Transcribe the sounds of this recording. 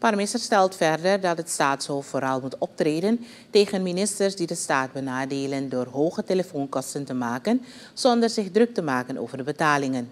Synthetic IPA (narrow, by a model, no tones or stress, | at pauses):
parmɪsərstɛlˠtfɛrdərdɑtɦətstaːtsɦoːftfoːɾɑlˠmutɔp̚treːdən | teːχənminɪstərsdidəstaːd̚bənaːdeːləndoːrɦoːχəteləfoːnkɔstəntəmaːkən | z̥ɔndərzɪχdrɵk̚təmaːkəno̰ːvərdəbətaːlɪŋən